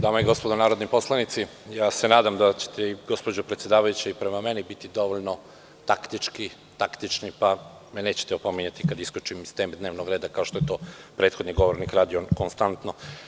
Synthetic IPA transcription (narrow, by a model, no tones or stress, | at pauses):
d̪aːmaiɡo̞spod̪onaːɾod̪nipo̞slˠanit̪sijaːse̞naːd̪amd̪at͡ɕe̥t̪ʰeiɡo̞spod͡ʑopɾet̪sjed̪aːʋajut͡ɕeipɾe̞mame̞nibit̪id̪o̞ʋoʎno̞ | t̪akt̪it͡ʃki | t̪akt̪it͡ʃnipa | mene̞ːt͡ɕe̥t̪eopomiɲat̪ikad̪iskut͡ʃimist̪emd̪ne̞ːʋnoɡɾeːd̪akaoʃt̪o̞et̪o̞ːpɾe̞ːt̪xo̞d̪niɡo̞ʋoɾnikɾaːd̪ionkonst̪ant̪no